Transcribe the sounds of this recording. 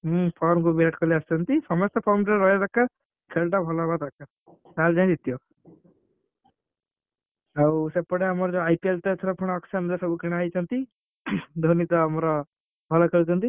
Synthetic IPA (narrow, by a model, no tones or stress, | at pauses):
pʰɔɾmkubieʈkɔliast̪ʰɔnt̪isɔmɔst̪ɔpʰɔɾmʈeɾɔɦjet̪akːa | kʰeɭʈabʱɔlɔbat̪aka | kald͡ʒãɦɛ̃d̪it̪ijo | awsepɔɽeamɔɾd͡ʒɔajpielt̪et̪ʰɔɾɔpʰɔɽ̃ːksamd̪esɔbʱukiɽ̃ajt͡ʃʰɔnt̪i | d̪ʱonit̪ɔːmɔɾɔ | bʱɔlɔkʰeɭt̪ʰɔnt̪i